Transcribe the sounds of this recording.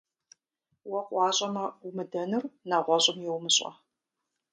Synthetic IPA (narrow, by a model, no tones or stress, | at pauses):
wɐqʷʼɑːɕʼɐmɐumɨdɐnɨrnaʁʷɔɕʼɪmjɛwmɨɕʼɐ̰